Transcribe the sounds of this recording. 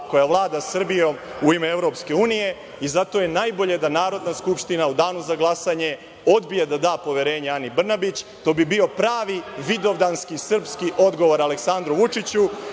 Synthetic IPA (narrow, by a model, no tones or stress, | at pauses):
ko̞jaʋlˠaːd̪asr̩bijo̞muimeeʋɾo̞pske̞uːnije̞ | izat̪o̞je̞najbo̞ʎe̞d̪anaːɾo̞d̪naskupʂt̪inaud̪aːnuzaɡlˠasaɲe̞ | od̪bijed̪ad̪aːpo̞ʋe̞ɾe̞ːɲeanibr̩nabit͡ɕt̪o̞ːbibio̞pɾaːʋiʋid̪o̞ʋd̪anskisr̩pskiʔo̞d̪ɡo̞ʋo̞ɾaleksand̪ɾuʋut͡ʂit͡ɕu